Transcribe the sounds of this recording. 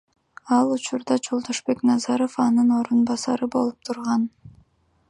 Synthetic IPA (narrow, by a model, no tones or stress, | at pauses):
ɑlˠut͡ʃuɾd̪ɑd͡ʒo̞lˠd̪oʃbe̞knɑzɑɾo̞fɑnɯno̞ɾunbɑsɑɾɯbo̞lˠup̚t̪ʰuɾʁɑn